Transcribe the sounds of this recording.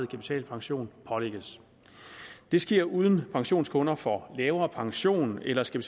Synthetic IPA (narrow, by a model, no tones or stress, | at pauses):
ð̩ˠkʰæpit͡sʰɛ̰ːlpʰɑ̈ŋɕo̝̰ːnpʰɒ̽leɡ̥əs | d̥e̝sɡ̥iɐ̰uːð̞ˠən̩pʰɑ̈ŋɕo̝̰ːnskʰɔ̽nɐfɒ̽lɛːʊɐːpʰɑ̈ŋɕo̝̰ːnelɐskʰæpʰi̥t͡s